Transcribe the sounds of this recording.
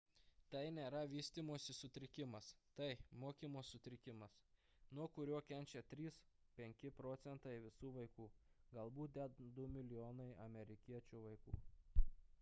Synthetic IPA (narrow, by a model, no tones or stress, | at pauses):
t̪ɐɪnʲeːɾɐʋʲiːsʲt̪ʲiːmoːsʲɪsʊt̪ʲɾʲɪkʲɪmɐst̪ɐɪmoːkʲiːmoːsʊt̪ʲɾʲɪkʲɪmɐs | nuɔkʊɾʲuɔkʲɛnʲt͡ʃʲɛt̪ʲɾʲiːs | pʲɛŋʲkʲɪpɾoːt̪sʲɛnt̪ɐɪʋʲɪsuːʋɐɪkuːɡɐlˠbuːt̪̚d̪ʲɛd̪ʊmʲɪlʲɪjoːnɐɪɐmʲɛɾʲɪkʲiɛt͡ʃʲuːʋɐɪkṵː